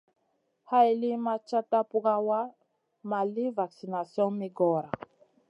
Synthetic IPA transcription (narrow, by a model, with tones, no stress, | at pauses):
ha˦i˨li˦ma˦t͡ʃa˦ta˦pu˦ɣa˦wa˦ | ma˨li˦va˨ksi˨na˨sjɔ˦nmi˦ɡɔ˦˨ɾa˨